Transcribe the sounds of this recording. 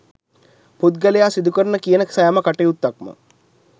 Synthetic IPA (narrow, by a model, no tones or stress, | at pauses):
put̪̚ɡəlejaːsid̪ukəɾənəkijənəksajaməkaʈeut̪ːakmə̰